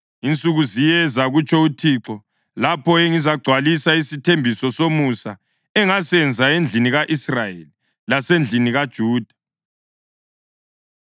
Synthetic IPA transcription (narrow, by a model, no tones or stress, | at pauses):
int͡sʼuɣuzijɛzaɣut͡ʃʼʰɔutʰiǁɔ | lapʰɔeŋizaɡ͡ǀʱwalisaisitʰembʱisɔsomusa | ɛŋasɛnd͡zʱaend͡ɮʱiniɣaʔisrajeli | lasend͡ɮʱiniɣad̥ʒ̥ʱuːd̥ʱḁ